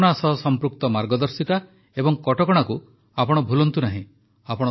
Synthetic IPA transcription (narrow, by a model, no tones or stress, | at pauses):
ɽ̃asɔɦsɔmpɾukt̪ɔmaɾɡɔd̪ɔɾsika | ebɔŋkɔʈɔkɔɽ̃aku | apɔɽ̃ɔbʱulɔnt̪unaɦĩ | apɔɽ̃